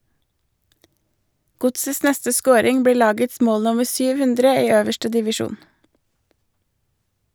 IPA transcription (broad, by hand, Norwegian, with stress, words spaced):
ˈɡʊtsəs ˈnɛstə ˈskoːɾɪŋ ˈbɽiː ˈlɑːɡəts ˈmoːl ˈnʊməɾ ˈsyːʋ ˈhʉndɾə ˈiː ˈøːʋəʃʈə dɪʋɪˈʃuːn